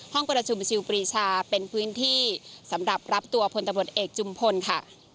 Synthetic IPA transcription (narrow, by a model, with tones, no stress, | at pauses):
hɔ˥˩ŋpɾa˧t͡ɕʰu˧mt͡ɕʰi˧wpɾiː˧˩t͡ɕʰaː˧pe˧npʰɯː˦˥nt̪ʰiː˥˩sa˩˦mɾa˨˩p̚ɾa˦˥p̚t̪u˧ɐpʰo˧nt̪a˧mɾu˨˩t̪̚ʔeː˨˩k̚t͡ɕʰu˧mpʰo˧nkʰa˥˩